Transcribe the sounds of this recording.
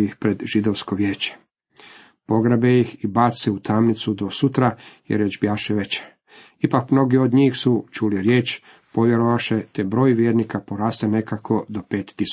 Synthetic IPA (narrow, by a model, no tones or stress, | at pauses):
jixpɾe̞d̪ʒ̥id̪oʋskoʋjeːt͡ɕe̥ | po̞ɡɾabejixibaːt̪seut̪ʰamnit̪sud̪o̞sut̪ɾajḛɾjed͡ʑbjaːʃeʋet͡ɕe̥ | ipakmno̞ɡiod̪ɲiːxsut͡ʃuliɾjeːt͡ʃ | po̞ʋje̞ɾoʋaʃet̪ebɾo̞ːjʋjeːɾnikapoɾaːst̪enekakʰo̞d̪o̞peːt̪t̪ːis